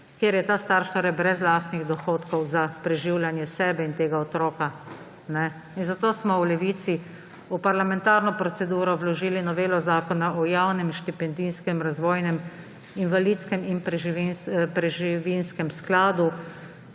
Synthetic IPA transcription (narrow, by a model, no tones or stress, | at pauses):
kjeːɾjɛt̪aːst̪aːɾʃt̪ɔɾɛbɾɛzlaːst̪niɣd̪ɔxoːt̪kɔwzapɾɛʒiwlanjɛsɛːbɛint̪eːɡaɔt̪ɾoːka | nɛ | inzat̪oːsmɔwlɛʋiːt̪si | upaɾlamɛ̃nt̪aːɾnɔpɾɔt̪sɛd̪uːɾɔwlɔʒiːlinɔʋeːlɔzaːkɔnaʔɔjawnɛmʃt̪ipɛnd̪inskɛmɾazʋoːjnɛm | inʋaliːt̪skɛminpɾɛʒpɾɛʒiʋinskɛmsklaːd̪u